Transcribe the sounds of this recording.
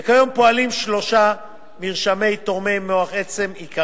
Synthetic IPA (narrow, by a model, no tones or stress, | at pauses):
kajo̞mpo̞alimʃlo̞ʃa | miʁʃame̞jt̪o̞ʁmejmoaχet͡se̞mika